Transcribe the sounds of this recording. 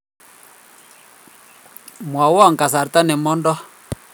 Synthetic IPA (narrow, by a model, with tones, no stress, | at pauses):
mwa˨wɔ˦˨ŋ˨ka˨s̬a˨ɾta˦ne˨mɔ˦ndɔ˦